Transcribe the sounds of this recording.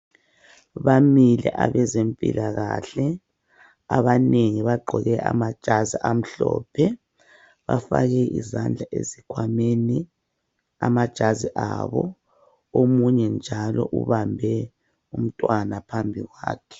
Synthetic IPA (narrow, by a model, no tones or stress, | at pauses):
βamilɛ̰ʔaβɛzempʼḭlʔaɣaɬɛ | aβaneŋiβaɡ͡ǃʱɔɣɛʔa̰mad̥ʒ̥ʱaziʔam̩ɬɔːpʰɛ | βa̰fa̰ɣɛʔḭzand͡ɮʱaʔezikʰwameni | amad̥ʒ̥ʱaziʔaβɔ | omuɲɛnd͡ʒʱalɔʔuβambʱɛ | um̩tʼwanapʰambʱiɣwaːkʰɛ̥